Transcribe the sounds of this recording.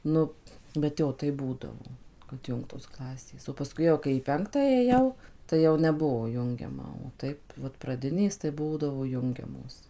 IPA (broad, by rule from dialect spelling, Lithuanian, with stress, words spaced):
ˈnʊ bʲɛt ˈjoː ˈtɐɪp ˈbuːdɐʋoː kɐt ˈjʊŋktoːs ˈklˠɑːsʲeːs oː pɐˈskʊɪ jɛʊ kɐɪ iː ˈpʲɛŋktɑː eːˈjɛʊ tɐɪ ˈjɛʊ nʲɛˈbuɔ ˈjʊŋʲɡʲɛmɐ oː ˈtɐɪp ʋɐt prɐˈdʲɪnʲeːs tɐɪ ˈbuːdɐʋoː ˈjʊŋʲɡʲɛmoːs